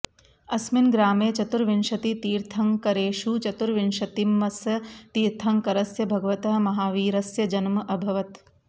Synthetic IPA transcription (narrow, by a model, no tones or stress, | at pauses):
ɐsminɡɾaːmeːt͡ʃɐt̪uɾʋinʃɐt̪it̪iːɾt̪ʰɐŋkɐɾeːʃut͡ʃɐt̪uɾʋinʃɐt̪imːɐsɐt̪iːɾt̪ʰɐŋkɐɾɐsjɐbʱɐɡɐʋɐt̪ɐɦɐ̆mɐɦaːʋiːɾɐsjɐd͡ʒɐnmɐʔɐbʱɐʋɐt̪